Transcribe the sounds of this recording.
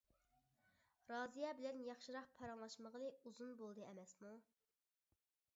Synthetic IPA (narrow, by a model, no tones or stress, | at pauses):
ɾɑːzijɛbɪlɛnjɑχʃɨɾɑqpʰɑɾɑŋlˠɑʃməʁənɨuzunbolˠd̪ɨɛmɛsmu